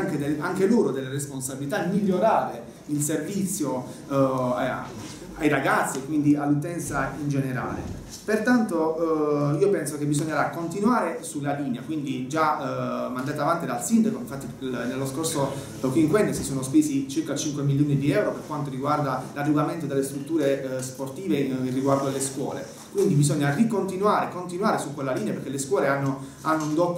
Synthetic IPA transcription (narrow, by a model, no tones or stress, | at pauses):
aŋked̪eaŋkeloːɾod̪elːeresponsabilit̪amːiʎːoɾaːɾe | ilservit̪sːjo | a | ajɾaɡat̪sːiekwind̪ialːut̪ɛnt̪saind͡ʒeneɾa̰ːlḛ | pert̪ant̪o | iːopɛnsokebːizoɔɲːeɾakːont̪inwaːɾesulːaliːneakwind̪id͡ʒamand̪aːt̪avant̪id̪alsind̪akoiɱfat̪ːinelːoskorso | kiŋkwɛnːosisoːnospeːsit͡ʃirkat͡ʃiŋkwemilːjoːnid̪iɛwɾoperkwant̪oɾiɡward̪alarːuvament̪od̪elːest̪ɾut̪ːuːɾesport̪iːverːiɡward̪oalːeskwɔ̰ːlḛ | kwind̪ibizoɲːarikont̪inwaːɾekont̪inuwaːɾesukːwelːaliːneaperkelːeskwɔːleanːo | anːound̪ɔpː